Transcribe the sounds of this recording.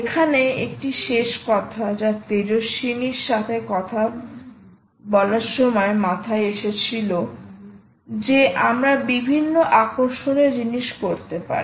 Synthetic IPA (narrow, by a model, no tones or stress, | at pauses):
ekʰaneek̚ʈiʃeʃkɔt̪ʰad͡ʑat̪eɾoʃiniɾʃat̪ʰekɔt̪ʰa | bɔlaɾʃɔmɔemat̪ʰaeeʃet͡ɕʰilo | d͡ʑeʔamɾabibʱinːoʔakoɾʃoneɾd͡ʑiniʃkoɾt̪epa̰ɾi